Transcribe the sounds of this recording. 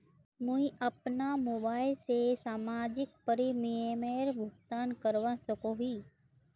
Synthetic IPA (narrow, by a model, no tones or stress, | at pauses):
mũĩʔɐpnamoːbaːɪlsesaːmaːd͡ʒɪkpəɾimiemeːɾbʱʊɡt̪aːnkəɾʋãsəkoɦiː